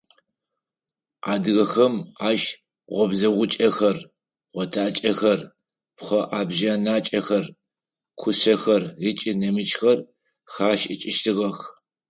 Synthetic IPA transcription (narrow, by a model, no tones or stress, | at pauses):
ʔaːdɨɣɐxɐmaːʒ | ʁʷɔbzɐʁʷʊt͡ʃʼɐxɐr | ʁʷɔtʰaːt͡ʃʼɐxɐr | pχʷɐʔaːbʒɐnaːt͡ʃʼɐxɐr | kʷʰʊsɐxɐrit͡ʃʼɪnɐmɨt͡ʃxɐr | xaːʃɪ̰t͡ʃʼɪʃtʰɨʁɐx